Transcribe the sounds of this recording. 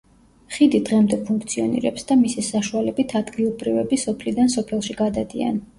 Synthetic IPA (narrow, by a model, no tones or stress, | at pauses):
χid̪id̪ʁɛmd̪ɛpʰuŋkʰt̪sʰiɔ̰nḭɾɛpsd̪amisisaʃualɛbit̪ʰad̪ɡilˠɔbɾivɛbisɔpʰlid̪ansɔpʰɛlˠʃiɡad̪ad̪ḭa̰n